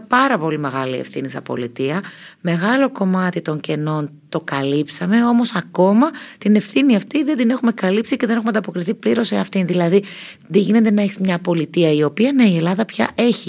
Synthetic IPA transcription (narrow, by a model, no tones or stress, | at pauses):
pɐɾɐpo̞lime̞ɣɐliḛfθinisɐpo̰lit̪iɐme̞ɣɐlo̞ko̞mɐt̪it̪o̞ɲce̞no̞nt̪o̞kɐlipsɐme̞o̞mo̞sɐko̞mɐt̪ine̞fθiniɐft̪iðe̞d̪ine̞xume̞kɐlipsiceðenxumɐnd̪ɐpo̞kɾiθipliɾo̞seɐft̪inðilɐði | ðeʝine̞nt̪enɐeçizmɲɐpo̞lit̪iɐio̞piɐne̞ie̞lɐðɐpçɐ̰ʔe̞çi